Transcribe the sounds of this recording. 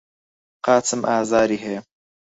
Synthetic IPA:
qɑːt͡sɨmʔaːzaːɾiːɦej

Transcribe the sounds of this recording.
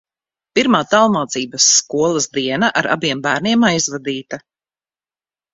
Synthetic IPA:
piɾmaːt̪alˠmaːt̪siːbɐsːkuɔlˠɐzd̪iɛnaʔa̰ɾa̰biɛmbæːɾniɛmajzvad̪iːt̪ɐ

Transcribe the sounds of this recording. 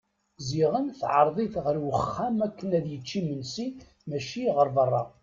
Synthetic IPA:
ziʁənθʕəɾˤðˤiθʁəɾwəχːæmækːənæðjət͡ʃːimənsi | mæʃiʁəɾˤvərˤːɑ

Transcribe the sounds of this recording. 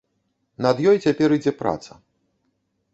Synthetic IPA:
nɐd̪jɔjt͡sʲapʲɛɾid͡zʲɛpɾa̰t̪sɐ

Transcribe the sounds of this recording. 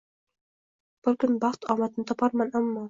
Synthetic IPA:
b̥ʊɾkʊnbɑχt̪ʰɒmat̪ɪnɪt̪ʰɒpʰɑɾmanamːɒ

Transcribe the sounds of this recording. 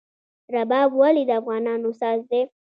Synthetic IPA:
ɾabɑbwalid̪əafɣɑnɑnosɑzd̪e

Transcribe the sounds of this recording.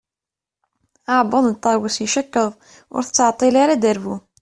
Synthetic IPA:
aʕbəðˤnt̪ˤːɑwəsjiʃækːəðˤ | ʊ̰ɾθə̥t͡sːəʕt̪ˤːilaɾad̪əɾvu

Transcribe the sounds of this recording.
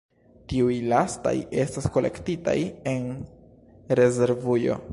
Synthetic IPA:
tiujlasta̰je̞stasko̞le̞̰ktita̰je̞n | ɾe̞ze̞ɾvujo̞̰

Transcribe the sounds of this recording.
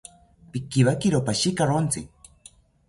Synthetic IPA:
pikːiβakiɾopaʃikaɾont͡sḭ

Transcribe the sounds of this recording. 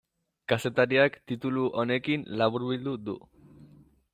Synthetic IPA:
kaset̪aɾiakt̪it̪uluʔonekinlaβuɾβild̪ud̪ṵ

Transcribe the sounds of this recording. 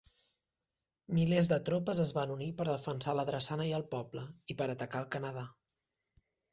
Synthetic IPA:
milezðət̪ɾopəzəzβanunipəɾðəfənsaləðɾəsanəjəlˠpɔbləipəɾət̪əkaəlˠkənəð̞a

